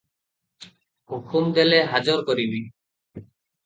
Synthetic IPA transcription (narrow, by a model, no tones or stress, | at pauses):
hukʰumd̪eleɦad͡ʒɔɾkɔɾibi